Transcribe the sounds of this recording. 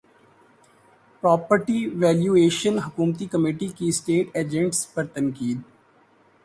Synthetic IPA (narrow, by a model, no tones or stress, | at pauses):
pɾɔːpəɾʈiʋɛːljuːeːʃənɦʊkuːmt̪ikɐmeːʈikiɪsʈeːʈeːd͡ʒɛ̃ɳʈspɐɾt̪ɐ̃nkiːd̪̚